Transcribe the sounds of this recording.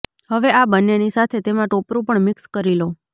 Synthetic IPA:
həʋeabənːenisat̪ʰet̪emãʈopɾũpəɳmɪkskəɾilo

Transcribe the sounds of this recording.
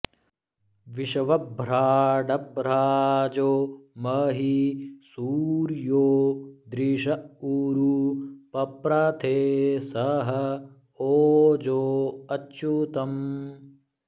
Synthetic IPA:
ʋiʃɐʋɐbʱɾaːɖɐbɾaːd͡ʒoːmɐːɦisuːɾjoːd̪ɾiːʃɐuːɾupɐpɾɐt̪ʰeːsɐɦɐ | oːd͡ʒoːɐtːt͡ʃut̪ɐm

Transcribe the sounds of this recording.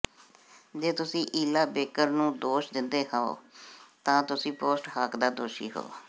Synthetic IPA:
d͡ʒeːt̪ʊsĩːʔiːlaːbeːkəɾnũːd̪oːʃd̪ɪnd̪eːhãːo̰ːt̪ãːt̪ʊsĩːpoːsʈhakd̪aːd̪oːʃḭːɦo̰ː

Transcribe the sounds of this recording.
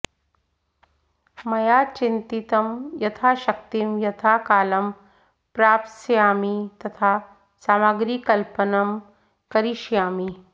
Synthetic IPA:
mɐjaːt͡ʃint̪it̪ɐmjɐt̪ʰaːʃɐkt̪imjɐt̪ʰaːkaːlɐm | pɾaːpsjaːmit̪ɐt̪ʰaː | saːmaɡɾiːkɐlpɐnɐm | kɐɾiʃjaːmi

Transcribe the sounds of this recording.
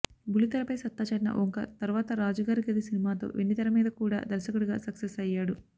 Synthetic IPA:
bulit̪ɐɾɐpɐjsɐt̪ːaːt͡ʃɐɽinɐ̰ʔoŋkɐt̪ɐɾʋaːt̪ɐɾaːd͡ʒɐɡaːɾiɡɐd̪isinimaːt̪o̰ːʋeɳːit̪ɐɾɐmiːd̪ɐkuːɽa̰ːd̪ɐɾsɐkuɽuɡaːsɐksesɐjːaːɽu

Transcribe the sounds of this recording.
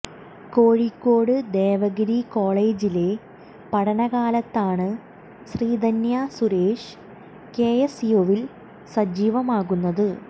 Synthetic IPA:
ko̞ːɻikʲːo̞ːɽɨd̪eːʋɐɣɾiko̞ːɭe̞ːd͡ʑile̞ | pɐɽɐnɐɣaːlɐt̪ːaːɳɨ | sriːd̪ʱɐnjɐsuɾe̞ːʂɨ̥ | ke̞ːjesijoːʋil | sɐd͡ʑiːʋɐmaːɣunːɐðɨ

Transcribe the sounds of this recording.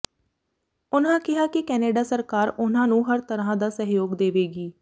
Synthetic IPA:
ʊnãːkɪɦaːkɪkɛːneːɖaːsəɾkaːɾʊnãːnũːɦəɾt̪əɾãːd̪aːsəɦjoːɡd̪eːʋeːɡiː

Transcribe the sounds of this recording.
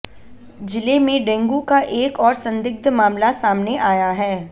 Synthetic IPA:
d͡ʒɪlemẽɖɛ̃ːŋɡukaʔeːkɔːɾsɐ̃nd̪ɪɡ̚d̪ʱmaːmlasaːmneʔaːjaɦɛː

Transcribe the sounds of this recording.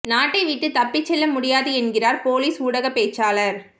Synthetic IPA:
naːʈːɐɪʋiːʈːɯt̪ɐpːɪt͡ʃːɛlːɐmʊɽɪjaːðɯɛnɡɪraːɾpoːliːsuːɽɐɣɐpeːt͡ʃːaːlɐɾ

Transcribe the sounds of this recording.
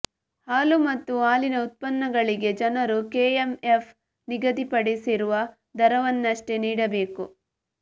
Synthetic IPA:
haːlumɐt̪ːuaːlinɐut̪̚pɐnːɐɡɐɭiɡe̞d͡ʒɐnɐɾukeːemefʰ | niɡɐd̪ipɐɽisiɾuʋɐ | d̪ɐɾɐʋɐnːɐʂʈe̞niːɽɐbe̞ːku

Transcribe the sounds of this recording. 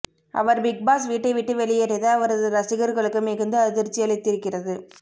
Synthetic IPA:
ʔɐ̰ʋɐɾbɪɡ̚baːs̬ʋiːʈːɐɪʋɪʈːɯʋɛɭɪjeɾɛðɐɐʋɐɾɐðɯɾɐsɪɣɐɾɣɐɭɯkːɯmɛɣɯnd̪ɯɐðɪɾt͡ʃːɪjɐɭɪt̪ːɪɾɯkːɪrɐðɯ

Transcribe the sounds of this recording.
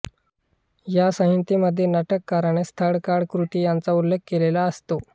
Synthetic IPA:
jasə̃ɦint̪iməd̪ʱːjenaʈəkːaɾɳ̃est̪ʰəɽkaɽkɾut̪iːjant͡saulːeɡ̚kːelelaəst̪o

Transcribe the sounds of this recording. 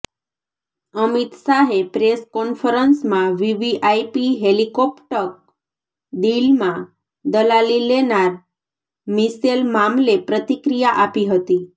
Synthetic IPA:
əmit̪saɦepɾeskɔnfəɾənsmãʋiʋiʔajpiɦelikɔpʈək̚ | d̪ilmã | d̪əlalilenaɾ | miselmamlepɾət̪ikɾijaʔapiɦət̪i

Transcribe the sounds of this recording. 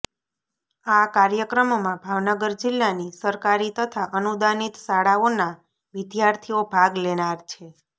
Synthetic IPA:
akaɾjəkɾəmmãbʱaʋnəɡəɾd͡ʒɪlːanisəɾkaɾit̪ət̪ʰaʔənud̪anit̪saɽaona | ʋɪd̪jaɾt̪ʰiobʱaɡlenaɾt͡ʃʰe

